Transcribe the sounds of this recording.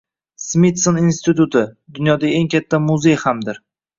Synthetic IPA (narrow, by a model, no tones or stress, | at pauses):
smit̪soninst̪ɪt̪ut̪ʰɪd̪ʊnjɒd̪aeŋkʲʰat̪ʰːamuze̞jhamd̪ɪɾ